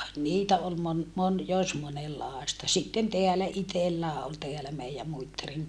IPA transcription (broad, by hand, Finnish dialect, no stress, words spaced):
niːtæ ol mon mon jos monelːɑːstɑ sitːen teælæ itelːæː ol teælæ meiæ muitːɑriŋ